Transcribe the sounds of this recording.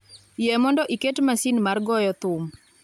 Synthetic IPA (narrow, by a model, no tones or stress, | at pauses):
jemɔndɔʔiketmasinmarɡɔjɔt̪ʊm